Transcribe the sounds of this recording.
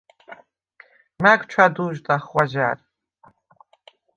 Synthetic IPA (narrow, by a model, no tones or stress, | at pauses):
maɡʷt͡ʃʷʰaduːʒtʼaχwʷaʒa̰ːr